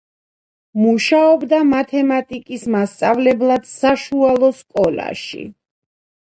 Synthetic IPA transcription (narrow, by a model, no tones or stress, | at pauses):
muʃaɔbd̪amat̪ʰɛmat̪ʼikʼismast̪sʼavlɛblˠad̪̥saʃualˠɔskʼɔla̰ʃḭ